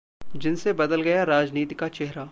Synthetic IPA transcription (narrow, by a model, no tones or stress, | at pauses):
d͡ʒɪnsebɐd̪əlɡɐjaɾaːd͡ʒniːt̪ikat͡ʃɛɦɾaː